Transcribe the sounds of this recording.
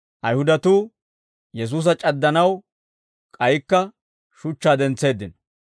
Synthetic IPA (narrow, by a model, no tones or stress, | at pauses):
ʔɐjhʊd̪ɐt̪uː | jɛs̬uːs̬ɐt͡ʃʼɐd̪ːɐnɐw | kʼɐjɪkːɐ | ʃʊt͡ʃːaːd̪ɛnt͡sːe̞ːd̪ːɪnɐ